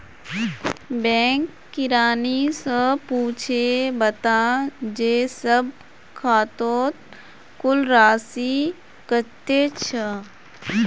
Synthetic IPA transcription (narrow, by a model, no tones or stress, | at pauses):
bɛ̃ːŋkːɪɾaːnisəpuːt͡ʃʰebət̪ad͡ʒeːsəb̚ | kʰaːt̪oːt̪̚ | kʊlɾaːsi | kət̪et͡ʃʰə